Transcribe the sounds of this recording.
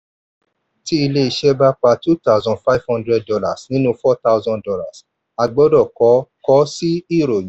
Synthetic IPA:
ti˦i˧le˦i˧ʃɛ˦ba˦k͡pa˧tu˦ta˦˨zɔ̃˧nfa˦˨vhɔ̃˦ndɾɛ˧d̚dɔ˧la˨snĩ˦nũ˧fɔ˦ta˦˧zɔ̃˧ndɔ˧la̰˨s | a˧ɡ͡bɔ˦dɔ˦˨kɔ˨˦kɔ˦si˦i˦˨ɾo˨j

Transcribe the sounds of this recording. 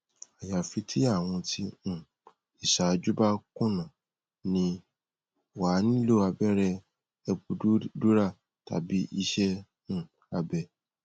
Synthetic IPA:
a˨ja˨fi˧tʰi˦a˦˨w̃ɔ̃˧tʰĩ˧˦˨ | i˨ʃa˨d͡ʒu˦ba˦kũ˦˨nã˨ | nĩ˧ | wa˨˦nĩ˦lo˦˨a˧bɛ˦ɾɛ˧ | ɛ˧bu˧˦du˦ɾa˦˨ | ta̰˨˦bi˦i˦ʃɛ̃˦˨ | a˧bɛ˧

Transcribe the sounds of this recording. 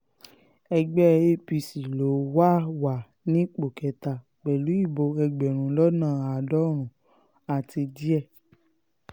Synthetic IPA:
ɛ˧ɡ͡bɛ˦e˧pi˧si˨lo˨˦wa˦wa˨ | nĩ˦k͡po˨kɛ˨˦ta˨ | k͡pɛ˨lu˨˦i˦˨bo˧ɛ˧ɡ͡bɛ˨ɾ̃ũ˨lɔ˦nãː˦˨a˨dɔ˦ɾ̃ũ˨ | a˨ti˧di˦ɛ˦˨

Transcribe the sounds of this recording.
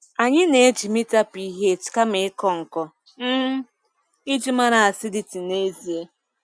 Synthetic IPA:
a˨ɲɪ˦ne˨e˦d͡ʒi˨mi˦ta˦pi˦i˦ɦe˦˨t͡ʃka˦me˨ɪ˦kɔ˦ŋ̩˨kɔ˦ | m̩˦ | ɪ˦d͡ʒi˦ma˦ɾa˨a˨sɪ˦di˨ti˨ne˦zi˨e˦

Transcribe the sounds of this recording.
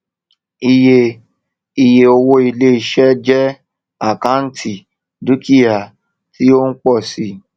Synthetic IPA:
i˧je˧ | i˨je˨o˧wo˦i˧le˦i˨ʃɛ˦d͡ʒɛ˦ | a˦˨kã˨˦n̩˦tʰi˨ | du˦ki˦a˨ | ti˦o˦n̩˦k͡pɔ˦˨si˧˦

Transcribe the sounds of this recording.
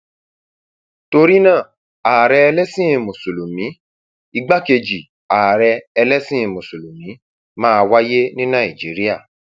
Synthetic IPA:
to˧ɾi˦nãː˦˨ | a˨ɾɛ˧ɛ˧lɛ˦sĩ˦ĩ˧mõ˨so˨lo˨mĩ˨˦ | i˧ɡ͡ba˦ke˧d͡ʒi˨ | a˨ɾɛ˧ɛ˧lɛ˦sĩ˦ĩ˧mõ˨so˨lo˨mĩ˨˦ | mãː˦˧wa˦je˦nĩ˦nã˦˨i˨d͡ʒi˨˦ɾi˦a˦˨

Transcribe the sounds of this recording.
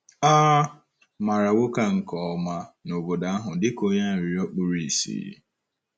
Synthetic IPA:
aː˦ | ma˨ɾa˨wo˦ka˦ŋ̩˨kɔ˨ma˦no˨bo˨da˨a˦ɦʊ˨dɪ˦ko˦ɲa˦˨ɾi˨ɾɔ˦k͡pʊ˦ɾi˨i˨sḭ˦jḭ˦

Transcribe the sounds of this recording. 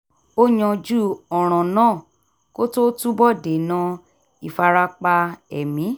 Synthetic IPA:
o˦ɲɔ̃˧d͡ʒu˦ɔ˨ɾ̃ɔ̃˨nãː˦˨ | ko˦to˦tu˦bɔ˦˨de˨nã˧ | i˨fa˧ɾa˧k͡pa˧ɛ̰˨mĩ˨˦

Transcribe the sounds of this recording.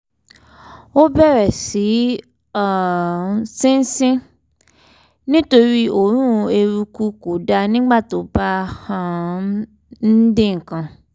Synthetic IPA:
o˦bɛ˦˨ɾɛ˨si˨˦ | a˦˨ | sĩ˦n˦sĩ˦ | nĩ˦to˧ɾi˦o˦˨ɾ̃ũ˦˧e˧ɾu˧ku˧ko˨da˧nĩ˦ɡ͡ba˦˨to˨˦ba˦hã˧ | n̩˦dẽ˦˨ŋ̩˨kã˧

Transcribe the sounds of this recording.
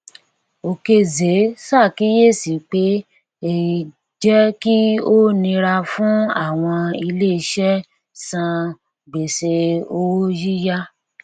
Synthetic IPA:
o˨ke˧ze˨˦sa˦˨ki˨˦je˦˨si˨k͡pe˨˦ | e˨ | d͡ʒɛ˦ki˦o˦nĩ˧ɾa˧fũ˨˦a˦˨w̃ɔ̃˧i˧le˦i˧ʃɛ˦ | sã˧ | ɡ͡be˨se˧o˧wo˦ji˦ja˦

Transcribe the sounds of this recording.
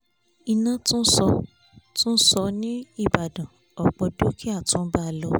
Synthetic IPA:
i˧nã˦tũ˦sɔ˧ | tũ˦sɔ˧nĩ˦i˦˨ba˨dã˨ | ɔ˨k͡pɔ˧do˨˦ki˦a˦˨tũ˨˦ba˦˧˨lɔ˧˦

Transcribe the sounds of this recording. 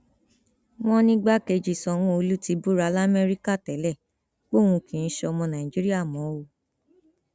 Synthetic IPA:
w̃ɔ̃˦nĩ˦ɡ͡ba˦ke˧d͡ʒi˨sɔ̃˧w̃ũ˦o˧lu˦ti˨˦bu˦ɾa˨˦la˦mɛ˦ɾi˦ka˦˨tɛ˨˦lɛ˦˨ | k͡po˦˨w̃ũ˧kĩ˨ñ̩˦ʃɔ˧mɔ̃˧nã˨ĩ˨d͡ʒi˦ɾi˦a˦˨mɔ̃˨˦wo˦˨

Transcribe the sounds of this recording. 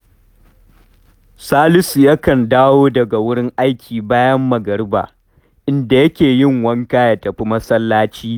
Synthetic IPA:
saː˦lɪ˦su˨jɐ˦kɐ˨ndaː˦woː˦dɐ˨ɡa˨wʊ˦ɽɪ˦ŋʔa˦jkʲʰiː˨baː˦jɐ˦mːɐ˨ɡɐ˨ɽba̰ː˨ | ʔɪ˦nda˨jɐ˦kʲeː˨jɪ˦˨ŋwɐ˦ŋkaː˦ja˨tɐ˨ɸi˦mɐ˦sɐ˦lːaː˦t͡ʃiː˦

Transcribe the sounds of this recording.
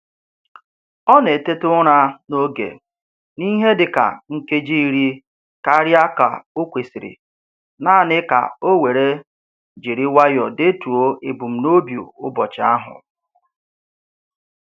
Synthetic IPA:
ɔ˦ne˨te˦tʊ˦ɾa˦no˦ɡḛ˨ | ni˦ɦe˦dɪ˨ka̰˨ŋ̩˦ke˦d͡ʒi˦i˦ɾi˦ | ka˦ɾji˦a˦ka̰˨o˦kʷe˨si˨ɾɪ̰˨ | naː˦˨nɪ˦ka̰˨o˦we˨ɾe˦ | d͡ʒi˨ɾi˦wa˦jɔ˨de˦tu˨o˦e˨bʊ˨m̩˨no˦bjo̰˨ʊ˦bɔ˨t͡ʃa˦ɦʊ̰˨

